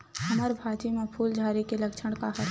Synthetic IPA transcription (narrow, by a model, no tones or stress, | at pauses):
hɐməɾbʱaːd͡ʒimẽpʰuːld͡ʒʱaːɾikelɐkt͡ʃʰəɽ̃kaɦɐt̪